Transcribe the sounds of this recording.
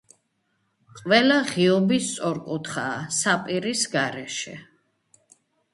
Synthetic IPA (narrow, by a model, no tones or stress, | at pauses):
qʼwɛlaʁiɔbist̪sʼɔɾkʼut̪χaːsapʼiɾisɡaɾɛʃɛ̰